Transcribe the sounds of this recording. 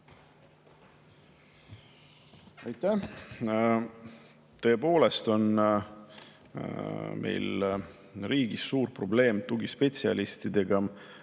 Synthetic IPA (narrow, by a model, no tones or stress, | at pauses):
ɑjt̪ːæh | t̪ø̞ːpo̞ːle̞st̪o̞n | mʔe̞̰jl | riːɡisːuːɾpro̞ble̞ːmt̪uɡispe̞t̪siɑ̰list̪id̪̥e̞ɡ̥ɑ